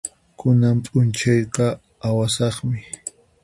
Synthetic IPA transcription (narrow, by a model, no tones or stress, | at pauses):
kʊnampʼʊnt͡ʃɑjqɑ | awasɑχmɪ